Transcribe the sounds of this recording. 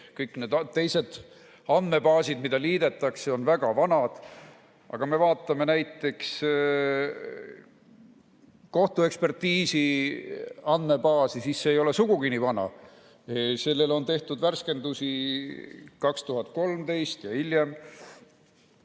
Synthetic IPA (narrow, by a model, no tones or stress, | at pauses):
kɤjkːned̪t̪ːe̞jse̞d̪̥ | ɑnd̪̥me̞bɑːsid̪mid̪̥ɑliːd̪e̞t̪ːˑɑkseo̞nvæɡ̥ɑvɑnɑd̪̥ | ɑ̰ɡ̥ɑme̞vɑːt̪ːˑɑme̞næjt̪ːˑe̞ks | ko̞ht̪ue̞kspe̞rt̪iːsi | ɑnd̪me̞bɑːsisisːe̞ːjo̞le̞suɡ̥uɡinivɑnɑ̰ | se̞lːe̞lo̞nt̪e̞ht̪ud̪værske̞nd̪usi | kɑkst̪uɦɑt̪̚ːˑko̞lmd̪e̞jst̪jɑiljem